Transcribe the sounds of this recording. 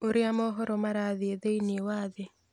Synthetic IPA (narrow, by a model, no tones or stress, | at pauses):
oɾiamɔɦɔɾɔmaɾaðieðeiniewaːðe